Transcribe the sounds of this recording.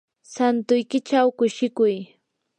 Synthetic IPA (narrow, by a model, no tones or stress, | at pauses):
sant̪ʊjkɪt͡ʃawkʊʃɪkʊj